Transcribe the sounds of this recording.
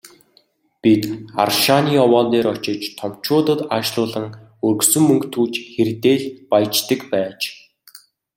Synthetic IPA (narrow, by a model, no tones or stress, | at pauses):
pit̪a̰rʃaniːɔwɔːnt̪eːɾɔt͡ɕɪ̆t͡ɕt̪ʰɔm̥t͡ɕʊːt̪ə̆t̪aːʃɮʊːɮə̆ŋ | ɵrɣsɵ̆mːɵŋkt̪ʰuːt͡ɕxert̪eːɮpajt͡ɕt̪ə̆kpæːt͡ɕ